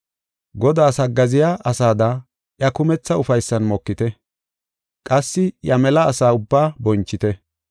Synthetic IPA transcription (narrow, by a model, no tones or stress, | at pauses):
ɡɔd̪aːsɐɡːɐzɪjaʔɐsaːd̪ɐ | ʔjɐkʊmɛt͡sːɐʊfɐjsːɐnmɔkːɪt̪ɛ | kʼɐsːɪjɐmɛlɐːsaːʊbːaːbɔnt͡ʃːɪt̪ɛ